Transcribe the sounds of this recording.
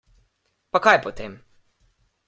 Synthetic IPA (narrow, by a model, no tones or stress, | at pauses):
pakajpɔt̪eːm